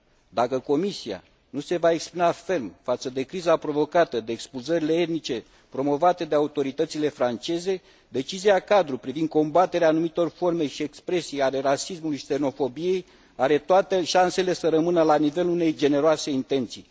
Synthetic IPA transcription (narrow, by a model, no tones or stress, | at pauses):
d̪akəko̞misia̰ | nuse̞vaeksplinafe̞rmfat̪səd̪e̞kɾizapɾo̞vo̞kat̪əd̪e̞ːkspulzəɾile̞et̪̚nit͡ʃe̞ | pɾo̞mo̞vat̪ed̪e̞aut̪o̞ɾit̪ət̪sile̞fɾant͡ʃe̞ze̞ | d̪e̞t͡ʃiziakad̪ɾupɾivind̪̚ko̞mbat̪e̞ɾeanumit̪o̞rfo̞rme̞ʃie̞kspɾe̞sijale̞ɾasismulujise̞no̞fo̞bije̞j | aɾe̞t̪oat̪e̞ʃanse̞le̞səɾəmɨnəlanive̞lune̞jd͡ʒe̞ne̞ɾoase̞int̪e̞nt̪sḭ